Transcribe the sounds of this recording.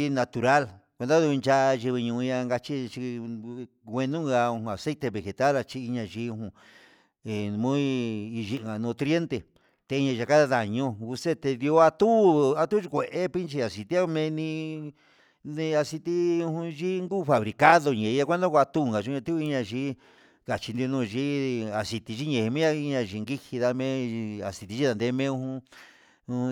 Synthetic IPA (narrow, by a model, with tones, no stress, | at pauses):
nã˧t̪u˨ɾa˦lkʷe˧d̪a˦ðu˧nt͡ʃa˧ʔa˧ʒi˧βi˧ɲũ˧ɲã˧ŋɡa˧t͡ʃi˦˧t͡ʃi˧ | ɡʷe˧nũ˦ŋɡa˧ũ˧hũ˧a˨se˦t̪e˧βe˨xe˨t̪a˦la˧t͡ʃi˧i˧ɲã˧ʒi˧˦ũ˧ɦũ˧ | e˨mũ˦i˧i˧ʒi˧ʔŋɡa˨nõ˧t̪ɾje˦nt̪e˨ | t̪e˧i˧ɲã˧ʒa˧ka˦ða˧ða˨ɲõ˦ɣu˧se˦t̪e˧d̪jo˧˦a˧t̪u˦a˧t̪u˦i˧kʷe˨ʔe˦pi˦nt͡ʃi˧a˨si˧t̪i˦a˦˧mẽ˧nĩ˧ | nĩ˧a˧si˧t̪i˦ũ˧hũ˧ʒi˦ŋɡu˦˧fa˨βɾi˨ka˦ðo˧ɲẽ˨˧˦a˦˧kʷe˦nd̪õ˦kʷa˧t̪u˦˧ŋɡa˨ʒi˧˦ɲã˧t̪u˦˧i˦ɲã˧ʒi˦ | ka˨t͡ʃi˧nd̪o˧nũː˧ʒi˦a˨si˧t̪i˧ʒi˦ɲẽ˨hi˧mẽ˦a˧i˧ɲã˧˨ʒi˧ŋɡi˦hi˧ða˧mẽ˦˧a˨si˨˧t̪i˧ʒi˦ða˧nd̪e˧˦˧mẽ˦ũ˧hũ˧